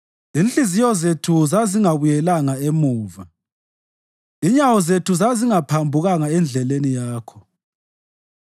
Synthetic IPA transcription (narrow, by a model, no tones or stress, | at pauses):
inɬizijɔzetʰuzaziŋaβujɛlaŋaemuːva | iɲawɔzetʰuzaziŋapʰambʱuɣaŋaɛnd͡ɮʱɛlenijaːkʰɔ̥